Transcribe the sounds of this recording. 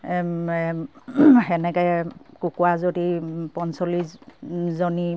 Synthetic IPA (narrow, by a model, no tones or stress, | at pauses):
ɛ | xɛnɛkɔjkukwazodipɔnsɔliszoni